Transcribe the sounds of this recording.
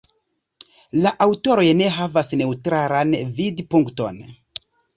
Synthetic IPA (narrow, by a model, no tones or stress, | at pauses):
laʔawto̞ɾo̞jne̞ɦavasne̞utɾaɾanvidpuŋkto̞̰n